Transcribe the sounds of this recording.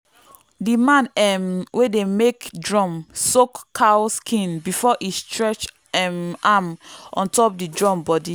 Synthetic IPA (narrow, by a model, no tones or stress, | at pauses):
dimãnɛmwedemekdɹɔ̃msokːʰaskʰĩnbifɔʔistɹɛt͡ʃ | ɛmamʔɔ̰̃ntɔp̚didɹɔ̃mbɔdi